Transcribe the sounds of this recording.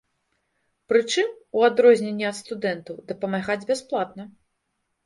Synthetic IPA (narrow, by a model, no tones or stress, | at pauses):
pɾɨt͡ʂɨmuad̪ɾɔzʲnʲenʲːɛɐt̪st̪ud̪ɛnt̪ɐwd̪ɐpɐmaɣad͡zʲbʲasplˠat̪nɐ